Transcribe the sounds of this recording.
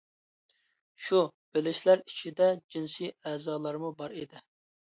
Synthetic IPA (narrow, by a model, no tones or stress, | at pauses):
ʃub̥ɪlɪʃlæɾit͡ʃʰid̪ɛd͡ʒinsiɛːzɑːlˠɑɾmubɑɾid̪ɪ